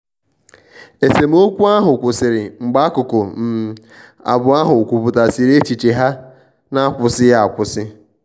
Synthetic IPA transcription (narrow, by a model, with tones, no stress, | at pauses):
e˨se˨m̩˦o˦kʷu˦a˦ɦʊ˨kʷʊ˨sɪ˨ɾɪ˨ŋ͡m̩˨ɡ͡ba˦kʊ˨kʊ˨m̩˨ | a̰˨bʊ˨a˦ɦʊ˨kʷu˨pʊ˨ta˨si˨ɾe˦t͡ʃi˨t͡ʃe˨ɦa˦ | na˦kʷʊ˨sɪ˦ja˦a˨kʷʊ˨sɪ˦